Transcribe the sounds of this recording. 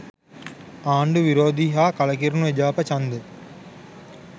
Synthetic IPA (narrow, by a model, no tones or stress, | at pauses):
aːɳɖuʋiɾoːd̪iːɦaːkɐlɐk̬iɾnuʋed͡ʒaːpɐt͡ʃɐnd̪u